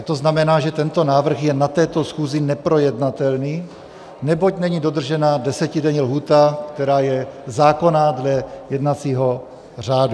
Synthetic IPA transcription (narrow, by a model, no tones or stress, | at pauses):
t̪o̞znamɛnaːʒɛt̪ɛnt̪o̞naːvr̩xjɛnat̪ɛːt̪o̞sxuːzɪnɛpɾo̞jɛdnat̪ɛlniː | nɛbo̞cnɛɲidod̪r̩ʒɛnadɛsɛcɪdɛɲlɦuːt̪akt̪ɛɾaːjɛzaːko̞nadlɛjɛdnat͡siːɦo̞ | r̝aːdu